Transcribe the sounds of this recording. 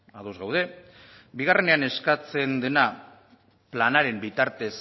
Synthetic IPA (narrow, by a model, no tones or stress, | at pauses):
aðozɣawð̞e̞ | biɣ̞are̞ne̞ane̞skat͡se̞nd̪e̞na | planaɾe̞mbit̪aɾt̪e̞s